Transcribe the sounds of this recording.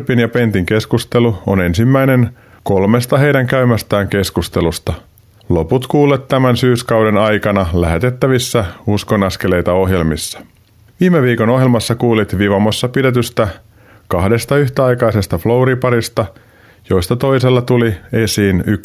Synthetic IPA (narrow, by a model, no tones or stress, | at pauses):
pinjɑpe̞nt̪iŋke̞skust̪e̞luo̰ne̞nsimːæjne̞n | ko̞lme̞st̪ɑɦe̞jdæŋkæymæst̪æːŋke̞skust̪e̞lust̪ɑ | lo̞put̪kuːlːet̪t̪ːæmænsyːskɑwdenɑjkɑnɑlæɦet̪e̞t̪ːæʋisːæusko̞nɑske̞le̞jt̪ɑo̞ɦje̞lmisːɑ̥ | ʋiːmeʋiːko̞no̞ɦjelmɑsːɑkuːlit̪ʋiʋɑmosːɑpidet̪yst̪æ | kɑhde̞st̪ɑyçt̪æɑjkɑjse̞st̪ɑflo̞wɾipɑɾist̪ɑ | jo̞jst̪ɑt̪o̞jse̞lːɑt̪ulie̞siːnyk